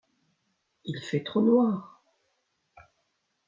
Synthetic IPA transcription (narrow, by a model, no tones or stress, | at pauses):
ilfɛt̪χonwaːʁ